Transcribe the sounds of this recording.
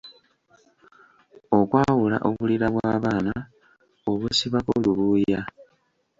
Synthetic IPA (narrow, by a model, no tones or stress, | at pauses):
o̞kwaːwula̰ʔoβuliɾaβwaːβaːna | oβusiβakoluβuja